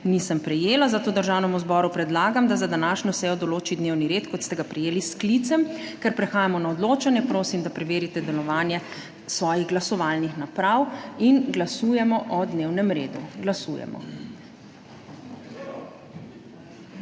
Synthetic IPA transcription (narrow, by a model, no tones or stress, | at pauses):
nisəmpɾɛjeːlazat̪oːd̪əɾʒaːwnɛmuzbɔːɾupɾɛd̪laːɡamd̪azad̪anaːʃɲɔsɛːjɔd̪ɔloːt͡ʃid̪neːwniɾeːt̪kɔt̪st̪ɛɡapɾɛjeːlisklit̪sɛmkɛɾpɾɛxaːjamɔnaɔd̪loːt͡ʃanjɛpɾoːsimd̪apɾɛʋeːɾit̪ɛd̪ɛlɔʋaːnjɛ | sʋɔːjiɣɡlasɔʋalnixnapɾawinɡlasuːjɛmɔʔɔd̪newnɛmɾeːd̪ṵɡlasṵjɛ̰mɔ̰